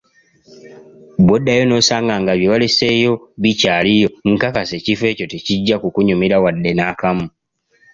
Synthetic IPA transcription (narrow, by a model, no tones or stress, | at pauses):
bwodːajo̞no̞saːŋɡaŋɡaβjeβalesejo̞βicaːlijo̞ŋ̩kakase̞cife̞ːco̞teciɟːakukuɲumiɾawadːe̞naːkamu